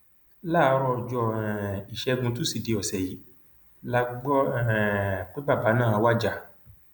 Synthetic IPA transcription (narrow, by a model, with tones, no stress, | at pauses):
la˦˨˧ɾɔ˧˨d͡ʒɔ˧ɛ˨i˨ʃɛ˧˦˧ɡũ˧tu˦si˦˨de˨˧ɔ˨sɛ˨ji˨˦ | la˦ɡ͡bɔ˦ɛ˨k͡pe˦ba˦˨ba˨˦nãː˦˨˧wa˦d͡ʒa˦˧˨